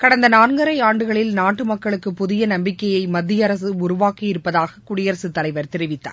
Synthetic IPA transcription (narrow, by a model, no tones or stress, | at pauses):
kɐɽɐnd̪ɐnaːnɡɐɾɐɪaːɳɖɯɣɐɭɪlnaːʈːɯmɐkːɐɭɯkːɯpːʊðɪjɐnɐmbɪkːɐjɐɪmɐd̪ːɪjɐɾɐsɯʊɾʊʋaːkːijɪɾɯpːɐðaːɣɐkʊɽɪjɐɾɐsɯt̪ːɐlɐɪʋɐɾt̪ɪɾɪʋɪt̪ːa̰ː